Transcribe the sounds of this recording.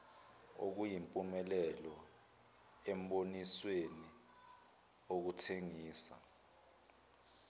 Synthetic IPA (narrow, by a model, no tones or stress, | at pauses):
o̰k̬ujimpʼumɛlɛlɔ | ɛmɓonisweni | ok̬utʰeŋiːsa̰